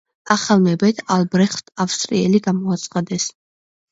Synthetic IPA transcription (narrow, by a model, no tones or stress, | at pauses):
aχalˠmɛbɛt̪ʰalˠbɾɛχt̪ʰafst̪ʼɾiɛliɡamɔat̪sʰʼχad̪ɛs